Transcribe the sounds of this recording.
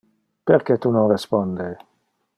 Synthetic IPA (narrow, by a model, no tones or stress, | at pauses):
peɾkɛt̪unonrespɔnd̪e